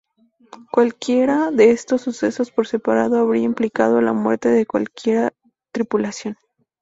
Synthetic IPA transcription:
kwalkje̞ɾaðe̞est̪o̞sːuse̞so̞spo̞ɾse̞paɾaðo̞aβɾiaimplikað̞o̞la̰mwe̞ɾt̪e̞ðe̞kwa̰lkje̞ɾa | t̪ɾipulasjo̞n

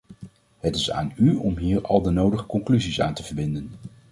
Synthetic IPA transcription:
ɦətɪsa̰ːnyɔmɦiːɹɑ̰lˠdənowdəχəkɔŋklyzisa̰ːntəvəɹbɪndən

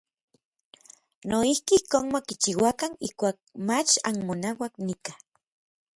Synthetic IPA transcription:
noihkiihkoːnmakit͡ʃiwakanihkʷaːk̚mat͡ʃa̰nmonawaknikḁ

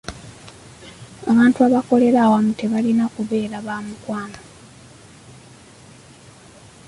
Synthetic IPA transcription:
aβaːntuaβako̞le̞ɾaːwamute̞βalinakuβe̞ːɾaβaːmukwaːno

